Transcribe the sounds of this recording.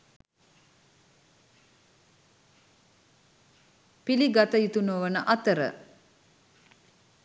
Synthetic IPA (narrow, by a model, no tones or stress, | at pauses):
piliɡat̪əjit̪unoʋənəʔɐt̪əɾə̰